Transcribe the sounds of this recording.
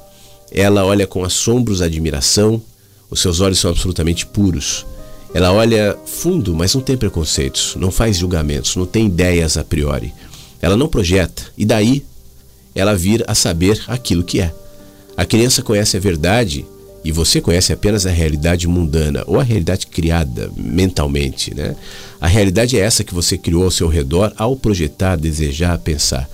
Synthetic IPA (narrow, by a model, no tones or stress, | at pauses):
ɛlɐɔʎɐkõasõmbɾʊzad͡ʒimiɾa̰sɐ̃w̃ | ʊsːewzɔʎʊsɐ̃w̃ab̥solut̪ɐmẽnt͡ʃɪ̥puɾʊsɛlɐɔʎɐfũnd̪ʊmɐznɐ̃w̃t̪ẽj̃pɾekõsḛjt̪ʊ̥snɐ̃w̃fazʒulɡamḛ̃nt̪ʊz̥nɐ̃w̃t̪ẽj̃id̪ɛjɐzapɾiɔ̰ɾɪ̰ | ɛlɐnɐ̃w̃pɾoʒɛt̪ɐ̥ɪd̪ai | ɛlɐviɾɐɐsabeɾakilʊkɪɛ | ɐkɾiɐ̃sɐkõɲɛsɪɐveɾd̪ad͡ʒɪ̰ | ɪvosekõɲɛsɪapẽnɐzɐɦealid̪ad͡ʒɪmũnd̪ɐ̃nɐ̰ʔo̰wɐɦealid̪ad͡ʒɪ̥kɾiad̪ɐ̰mẽnt̪a̰wmẽnt͡ʃɪ̥nɛ̰ɐ̰ɦealid̪ad͡ʒɪɛɛsɐkɪvosekɾiowawsewɦed̪ɔɾawpɾoʒet̪aɾd̪ezeʒaɾpẽsa̰ɾ